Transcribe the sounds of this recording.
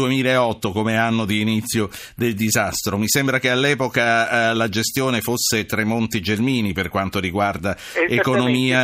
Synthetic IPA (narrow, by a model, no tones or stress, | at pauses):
uemiːlaeɔt̪ːokomeanːod̪iːnit̪sːjo | d̪eld̪izast̪ɾomisembɾakealːɛːpokalad͡ʒest̪joːnefosːet̪ɾemont̪id͡ʒelmiːniperkwant̪oɾiɡward̪a | ekonomiːa